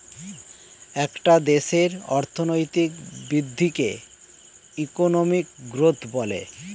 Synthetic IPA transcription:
ɛkʈad̪eʃeɾɔ̰ɾt̪ʰonojt̪ikbɾid̪ʱːike | ikonomik̚ɡɾot̪ʰbɔle

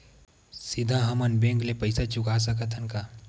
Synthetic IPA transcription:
sɪd̪ʱãɦɐmənbẽŋklepəɪsat͡ʃʊkas̬əkət̪ʰənka

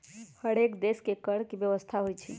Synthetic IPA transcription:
həɽekd̪eskekəɽkibjəʋəst̪ʰaɦojt͡ʃʰḭ

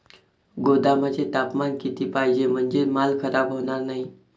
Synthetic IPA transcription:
ɡod̪aməd͡ʑʱet̪apmankit̪iːpajd͡ʑem̤əɳd͡ʑemalkʰəɾabɦoɳ̃aɾnaɦi

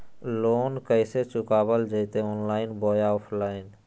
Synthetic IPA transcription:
loːnkəɪset͡ʃʊkaːbəld͡ʒəɪt̪eoːnlaːɪnboːjaoːpʰlaːɪn

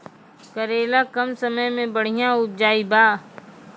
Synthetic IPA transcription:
kəɾeːlakɐmsɐməjmẽbəɽ̤ijãʊp̚d͡ʒaːibaː

